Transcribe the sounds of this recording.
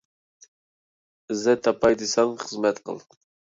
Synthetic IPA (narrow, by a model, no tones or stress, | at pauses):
ɪzɛt̪ʰːɑpʰɑjd̪ɨsɑŋχəzmɛt̪qʰə̰lˠ